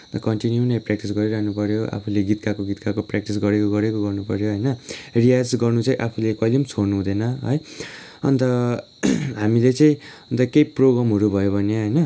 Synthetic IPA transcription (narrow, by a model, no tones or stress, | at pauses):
nt̪ʌkʌnʈinjunejprak̚ʈis̬ɡʌɾiɾanupʌɾjoʔa̰pʰuleɡit̪kakoɡit̪kakoprak̚ʈisɡʌɾekoɡʌɾekoɡʌrnupʌɾjoɦʌjnʌriad͡zɡʌrnut͡sʌĩʔapʰulekʌjlimt͡sʰornuɦũd̪enʌɦʌ̰j | ʌ̰nt̪ʌ | ɦamilet͡sʌĩʌnt̪ʌkejproɡɾamɦʌɾubʱʌjobʱʌnjaɦʌjnʌ